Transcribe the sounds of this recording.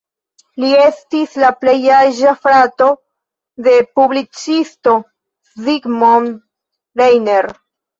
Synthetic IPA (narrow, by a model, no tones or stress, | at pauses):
lie̞stislaple̞jaʒafɾato̞ | de̞publit͡sisto̞ | ziɡmon | ɾejne̞ɾ